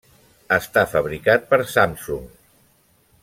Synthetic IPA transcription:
əst̪afəβɾikat̪̚pəɾsamsuŋ

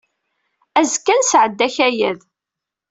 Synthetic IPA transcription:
æzkːænsʕəd̪ːæçæjæð

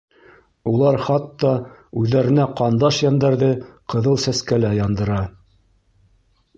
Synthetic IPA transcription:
ulˠɑɾχɑt̪ːɑʉðːæɾɘ̆næqɑnd̪ɑʃjɑnd̪æɾðɘqɤ̆ðɤlˠsæskælæjɑnd̪ɤ̆ɾɑ

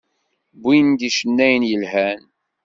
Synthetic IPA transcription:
bind̪iʃənːæjnjəlhæn

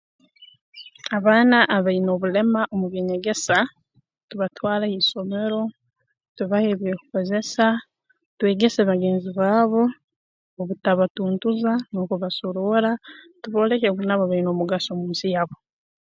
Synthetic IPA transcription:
aβaːnaʔːβaino̞ːβule̞maʔomuβjeɲeɡe̞sa | tuβatwaːlaiso̞me̞ɾo̞ | tuβahe̞ːβjekuko̞ze̞sa | twe̞ːɡe̞seβaɡe̞ːnziβwaːβo̞ | oβutaβatuːntuzano̞ːkuβasolola | tuβo̞ːle̞keβunaβaβaino̞ːmuɡasomuːnsijaβo̞

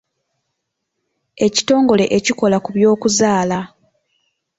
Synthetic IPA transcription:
e̞ci̥to̞ːŋɡo̞le̞ʔeciko̞lakuβjo̞ːkuzaːla

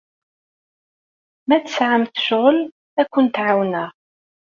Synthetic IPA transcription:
mæt̪sʕəmθə̥ʃʁəl | ækʷːʊnt̪ʕawnæ

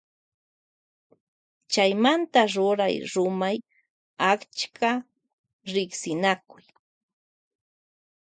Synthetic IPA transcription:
t͡ʃajmant̪aɾʊɾa̰jɾʊmaj | akt͡ʃkʰa | ɾɪksɪnakʊj

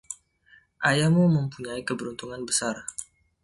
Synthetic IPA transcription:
ʔajamuməmpuɲaikəbəɾunt̪uŋanbəsar

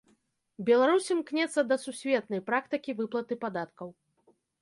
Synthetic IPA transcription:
bʲɛlˠaɾusʲɨmknʲɛt̪sːɐd̪ɐsusʲvʲɛt̪nɐjpɾakt̪ɨkʲivɨplˠɐt̪ɨpad̪at̪kɐw

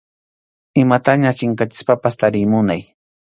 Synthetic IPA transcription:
ɪmat̪aɲat͡ʃɪŋkat͡ʃɪ̥spapast̪aɾɪmʊnaj

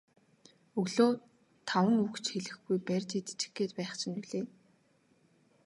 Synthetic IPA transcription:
ɵɣɮoː | t̪ʰawə̆ŋukt͡ɕxeɮɘ̆xɡujpærʲt͡ɕit̪t͡ɕɪ̥̆xɡeːt̪pæːχt͡ɕʰɪ̆nuɮeː

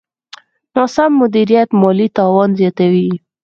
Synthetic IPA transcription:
nosamːʊd̪iɾijat̪mɑlit̪ɑwɑnzjɑt̪awi

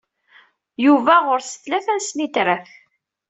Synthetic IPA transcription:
juvæʁʊɾsə̥θlæθænsnit̪ɾəθ

